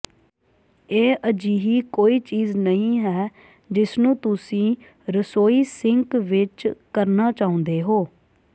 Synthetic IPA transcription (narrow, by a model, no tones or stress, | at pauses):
eːʔəd͡ʒiːɦiːkoːiːt͡ʃiːznəĩːɦɛː | d͡ʒɪsnũːt̪ʊsĩː | ɾəsoːiːsɪŋkʋɪt͡ʃkəɾnaːt͡ʃaːʊ̃nd̪eːɦoː